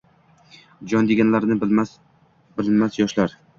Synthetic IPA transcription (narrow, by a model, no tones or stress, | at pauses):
d͡ʒɒnd̪eɡʲanlaɾnɪmas | bɪlmasjɒʃlaɾ